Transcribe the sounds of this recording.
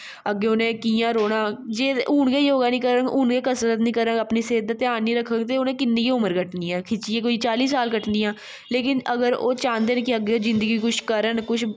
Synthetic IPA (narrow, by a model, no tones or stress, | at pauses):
əɡːeːʊnẽːkiːjãːɾoːɽaːd͡ʒeːuːɳɡeːioːɡaːnĩːkəɾəŋuːnɡeːkəsɾət̪nĩːkəɾəɡəpniːseːd̪ət̪ːaːniːɾəkʰːəŋɡt̪eːʊnẽːkɪnːĩːkiʊməɾkəʈniːɛ̃ːkʰɪt͡ʃiẽːk̬oiːt͡ʃaːliːsaːlkəʈniːãː | leːkɪnəɡəɾo̰ːt͡ʃãːnd̪eːnekiəɡːeːoːzɪ̃nd̪əɡiːkʊt͡ʃʰkəɾənkʊt͡ʃʰ